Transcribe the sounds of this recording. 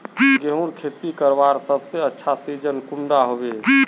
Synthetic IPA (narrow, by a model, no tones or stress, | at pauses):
ɡeɦũɾkʰet̪ikəɾbaɾsəbseətːʃʰasid͡ʒənkuɳɖaɦobe